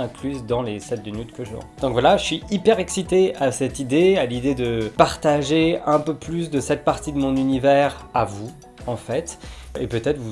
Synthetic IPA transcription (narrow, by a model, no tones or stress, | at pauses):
ɛ̃klyzd̪ɑ̃lesɛt̪̚d̪ənyt̪kəʒɑ̰̃d̪̥ɔ̃kvwalaʒəsɥiipɛʁɛksit̪easɛt̪id̪ealid̪ed̪əpaʁt̪aʒeɛ̃pøplys̬d̪əsɛt̪̚paʁt̪id̪əmɔ̃nynivɛʁavu | ɑ̃fɛt̪epøt̪ɛt̪χvu